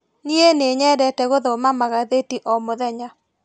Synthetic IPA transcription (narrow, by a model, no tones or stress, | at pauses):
nieneɲɛdɛtɛɣoðɔmamaɣaðetiʔɔmoðɛɲa